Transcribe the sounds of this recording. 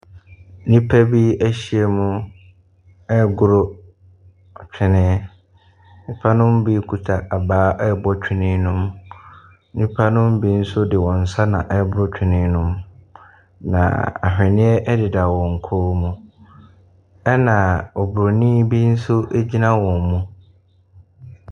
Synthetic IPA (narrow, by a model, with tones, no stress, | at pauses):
nĩ˦pʰa˦bi˦æ˦ɕi˨ɛ˨mũ˦ | ɛ˦ɡʊ˦ɾo˦˨ | t͡ɕᶣʰɪ˦nɪ̃˦ | nĩ˦pʰa˦nʊ̃˦m˦bi˦kʰu˨tʰa˨ʔa˨baː˦ʔɛ˦bɔ˦t͡ɕᶣʰɪ˦nɪ̃˦nʊ̃˦m | nĩ˦pʰa˦nʊ̃˦m˦bi˦n̩˦sʊ˦dɪ˨wɔ̃˨n̩˨sa˦nã̰˨ʔɛ˦bʊ˦ɾʊ˦t͡ɕᶣʰɪ˨nɪ̃˦nʊ̃˦m | nã̰˨a̰˨hᶣɛ˨nɪ̃˦ɛ˦ʔɛ˦dɪ˨da˨wɔ̃˨ŋ̩˨kʰo˦mũ˦ | ɛ˦nã˨ɔ˨bʊ˨ɾo˨nĩː˦bi˦n̩˦sʊ˦ʔe˦d͡ʑi˦nã˦wɔ̃˨m˨mũ˦